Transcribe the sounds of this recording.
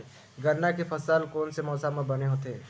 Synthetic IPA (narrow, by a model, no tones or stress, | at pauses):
ɡʱɐɾnakefɐsaːlkoːnsemɔːsamãbɐneɦot̪eː